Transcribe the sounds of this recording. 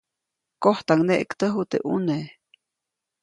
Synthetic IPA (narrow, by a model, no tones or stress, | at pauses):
koht̪aŋneʔkt̪əɦut̪ḛʔune